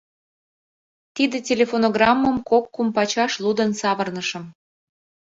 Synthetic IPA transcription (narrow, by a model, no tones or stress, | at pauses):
t̪id̪ĕtʲelʲefonoɣrɑmːəmkokːumpɑt͡ɕɑʃlud̪ənsɑβərnəʃə̆m